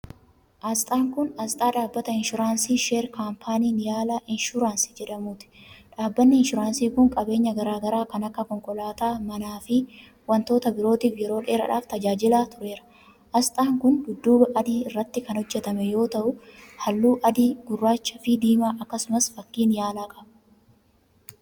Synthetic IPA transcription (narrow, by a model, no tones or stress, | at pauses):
ʔɐst̪ʼaːŋkʊnɐst̪ʼaːᶑaːbːɐt̪ɐɪnʃʊɾaːnsiːʃeːɾkaːmpʰaːniːnjaːlɐʔɪnʃʊɾaːnsi̥d͡ʒɛᶑɐmuːt̪ɪ̥ᶑaːbːɐnːɪɪnʃʊɾaːnsiːkʊŋkʼɐbe̞ːɲːɐɡɐɾaːɡɐɾaːkɐnɐkːɐkɔŋkʼɔlaːt̪aːmɐnaːfɪ | wɐnt̪o̞ːt̪ɐbɪɾo̞ːt̪iːfjɛɾo̞ːᶑeːɾɐ̰ᶑa̰ːft̪ɐd͡ʒaːd͡ʒɪlaːt̪ʊɾe̞ːɾɐ̥ | ʔɐst̪ʼaːŋkʊnɡʊd̪ːuːbɐʔɐd̪iːɪrːɐt̪ːɪkɐnhɔd͡ʒːɛt̪ɐmɛjo̞ːt̪ɐʔʊhɐlːuːʔɐd̪iːɡʊrːaːt͡ʃːɐfɪd̪iːmaːʔɐkːɐsʊmɐsfɐkːiːnjaːlaːkʼɐbɐ